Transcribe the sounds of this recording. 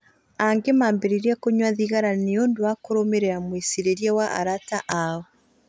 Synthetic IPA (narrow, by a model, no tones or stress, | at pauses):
aŋɡemaːmbeɾiɾiakoɲwaðiɣaɾaneondoakoɾomeɾeɾamwesiɾeɾjawaʔa̰ɾataʔaɔ